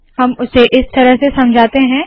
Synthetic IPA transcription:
hɐmʊseʔɪst̪ɐɾəɦsesɐ̃md͡ʒʱaːt̪eɦɛ̃ː

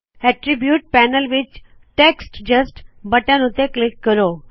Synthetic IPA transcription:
ɛʈɾibjuːʈ̚pɛnəlʋit͡ʃ | ʈeksʈd͡ʑəsʈbəʈãnut̪eklikːəɾo

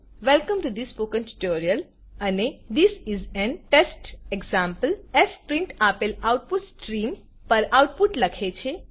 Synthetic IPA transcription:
ʋɛlkə̃mʈud̪ispoːkə̃nʈu̥ʈoːɾiəl | ɐned̪isizɛ̃nʈesʈeɡzãːmpəlɛspɾĩɳʈapelawʈ̚puʈsʈɾĩːm | pɐɾaʊʈ̚puʈlɐkʰet͡ʃʰe

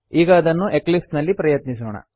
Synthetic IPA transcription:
iːɡɐːd̪ɐnːuʔeklipsnɐlːipɾɐjɐt̪nis̬oːɳɐ̰

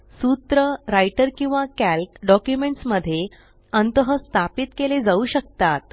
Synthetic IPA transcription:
sut̪ɾəɾajʈəɾkĩw̃ʋakælkɖɔkjumeɳʈsməd̪ʱːje | ənt̪əɦəst̪ʰapit̪keled͡zauːɕək̚t̪at̪̚

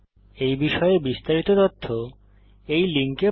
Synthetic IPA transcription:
ejbiʃɔebist̪aɾit̪ot̪ot̪ʰːo | ejliŋke

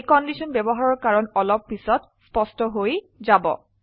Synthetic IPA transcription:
kɔndisɔnbɛbɔɦaɹɔɹkaɹɔnɔlɔpːisɔt | spɔstɔɦoj | zabɔ̰

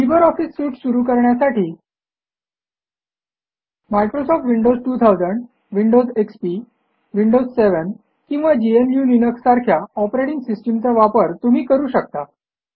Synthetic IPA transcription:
libəɾɔfiːsːuːʈsuɾuːkəɾɳjasaʈʰiː | majkɾosɔfʈʋiɳɖod͡zʈuːt̪ʰawd͡zəɳɖ | ʋiɳɖod͡zekspi | ʋiɳɖozseʋən | kĩŋ̃ʋad͡ʑiemjuːninəksːaɾkʰjaɔpɾeʈiŋɡsisʈəmt͡saʋapəɾt̪um̤iːkəɾuːɕək̚t̪a

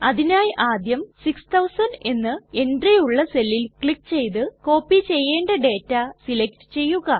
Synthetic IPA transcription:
ɐðinaːjʔaːd̪jɐmsikst̪ʰɐwsɐnɖe̞nːɨe̞nɖrejuɭːɐse̞lːilkɭikːt͡ɕe̞jt̪̬ɨko̞ːpːit͡ɕe̞jːe̞ːɳɖɐɖe̞ːtːɐsilek̚ʈɨ̥t͡ɕe̞jːuɣɐ

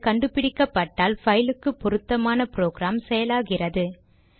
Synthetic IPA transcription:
kɐɳɖɯpɪɽɪkːɐpːɐʈːaːlfɐjɪlɯkːɯpːɔɾɯt̪ːɐmaːnɐpɾoːɣɾaːmsɛjɐlaːɣɪrɐðɯ

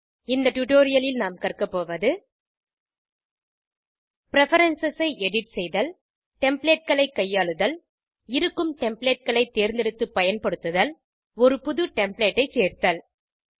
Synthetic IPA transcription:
ɪnd̪ɐʈʊʈoːɾɪjɐlɪlnaːmkɐrkɐpːoːʋɐðɯ | pɪɾɛfɐɾɐnsɛsɐɪʔɛɽɪʈsɛjðɐl | ʈɛmpleːʈ̚kɐɭɐɪkːɐjːaːɭɯðɐl | ɪɾɯkːɯmʈɛmpleːʈ̚kɐɭɐɪt̪ːeːɾnd̪ɪɽɯt̪ːɯpːɐjɐnpɐɽɯt̪ːɯðɐl | ɔɾɯpʊðɯʈɛmpleːʈːɐɪt͡ʃeːrt̪ːɐl

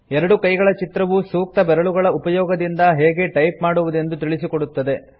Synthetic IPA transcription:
ɛɾɐɽukɐjɡɐɭɐt͡ʃit̪ɾɐʋusuːk̚t̪ɐbɛɾɐɭuɡɐɭɐupɐjɔːɡɐd̪ind̪ɐɦeːɡe̞ʈɐjpmaːɽuʋud̪e̞nd̪ut̪iɭisikoɽut̪ːɐd̪e̞

